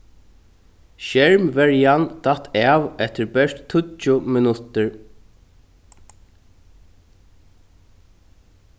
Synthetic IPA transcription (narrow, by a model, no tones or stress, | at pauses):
ʃɛɹmvɛɹjand̪̥at̪ʰːɛːʋɛt̪ɪɹbɛɹt̪t̪ʰʊt͡ʃʊmɪnʊt̪ɪɹ